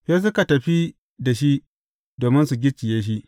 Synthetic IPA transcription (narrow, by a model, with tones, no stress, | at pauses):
ɸeː˦s̬ʊ˦ka˨tɐ˨ɸi˦ | da˨ʃi˦ | doː˨mɪ˦nsu˨ɡʲɪ˦t͡ʃɪ˨jeː˦ʃ̬i˦